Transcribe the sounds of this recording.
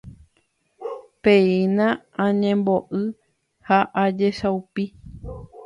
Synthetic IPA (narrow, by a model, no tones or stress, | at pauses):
peĩnã | ãɲẽmboʔɨ | haʔad͡ʒeʃaupi